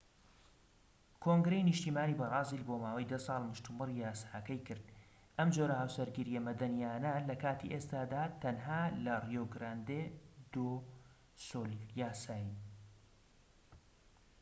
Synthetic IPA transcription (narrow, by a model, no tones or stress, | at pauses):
kʰoːŋɡɾejnɨʃt̪iːmaːniːbɑrˤɑːziːlbomaːwɐjd̪ɐsˤɑːlˠmʊʃt̪ʰɨmɨrijaːsaːkɐjkɨɾd̪̚ | ʔɐmd͡ʒoːɾɐhaːwsɐɾɡiɾijemɐd̪ɐnijaːnɐlɐkaːt̪ḭʔest̪aːd̪aːt̪ɐnɦaːlɐrjoːɡɾaːnd̪ed̪o | soːlijaːsaːji